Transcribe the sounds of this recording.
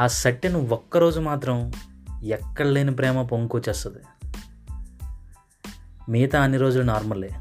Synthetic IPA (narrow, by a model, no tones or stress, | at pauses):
aːsɐʈːinuɔkːɐɾo̞ːd͡ʒumaːt̪ɾɐm | ɛkːɐɽɐleːnipɾɛːmɐp̬oŋkot͡ʃːɛːst̪ɐd̪i | miːt̪ɐɐniɾoːd͡ʒulɐnaːɾmɐlːeː